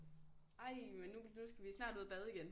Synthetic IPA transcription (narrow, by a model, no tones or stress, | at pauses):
ɑ̈ɪmenːunusɡ̥æʋisnɑ̈ːd̥uːðˠb̥ɛð̞ˠiɡ̥en